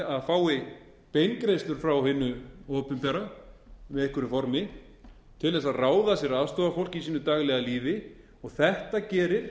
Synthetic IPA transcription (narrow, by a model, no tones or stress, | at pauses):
aðfaːwɪ | pejnkɾejst̪lʏɾ̥fɾawɦɪnːʏɔːpʏmpɛɾamɛðehkʏɾʏfɔɾmɪ | t̪ʰɪlðɛsaðraːwðasjɛɾaðst̪ɔːðafowl̥cɪisiːnʏt̪aːɣlɛɣaliːvɪ | ɔɣθɛht̪acɛːɾɪɾ̥